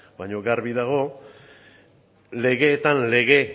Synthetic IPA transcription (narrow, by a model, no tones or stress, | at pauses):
baɲo̞ɣaɾβiðaɣ̞o̞ | le̞ɣe̞ːt̪anle̞ɣe̞